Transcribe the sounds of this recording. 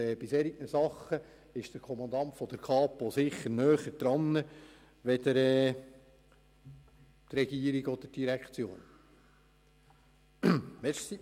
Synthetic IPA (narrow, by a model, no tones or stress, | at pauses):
ɛb̥ɪsɛɾiknəsɑχːə | ɪʃd̥əɾkʰɔmɑnd̪ɑnt̪fɔd̥̪əɾkʰɑːpɔsɪχːəɾnœːχəd̪ɾɑnːə | ʋɛd̪əɾɛː | t̪rɛɡ̥iːəɾiɡɔd̥̪əd̥iɾɛkʰt͡sjo̰ːn | ʋɛʃsi